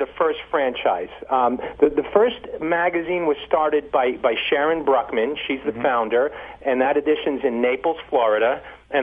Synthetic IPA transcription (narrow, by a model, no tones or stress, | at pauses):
ðɨfɜ˞stfɹæ̃nt͡ʃaɪz̥ðɨðɨfɜ˞stmæɡɨzĩnwʌz̥stɑɹɾɨd̚baɪbaɪʃɛɹɨ̃nbɹʌkmɨ̃nʃizðɨfãʊ̃ndə˞ɨ̃nðɨɾɨdɪʃɨ̃nzɨ̃nːeɪpl̩ˠz̥flɔɹɨɾɨ | ɨ̃